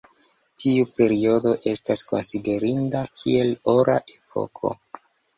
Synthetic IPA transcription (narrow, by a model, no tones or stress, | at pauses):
tʰiupe̞ɾio̞do̞ʔe̞stasko̞nside̞ɾindakʰie̞lo̞ɾaʔe̞pʰo̞̰kʰo̞̰